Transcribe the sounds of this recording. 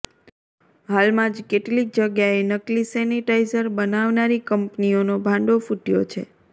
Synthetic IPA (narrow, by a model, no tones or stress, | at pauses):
ɦalmãd͡ʒkeʈlik̚d͡ʒəɡjaenəklisɛniʈaizəɾbənaʋnaɾikəmpnionobʱãɳɖofuʈijot͡ʃʰe